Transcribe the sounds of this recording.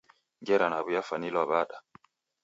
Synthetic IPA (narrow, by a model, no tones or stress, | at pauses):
ŋɡɛɾanaβujafanilwabaɗa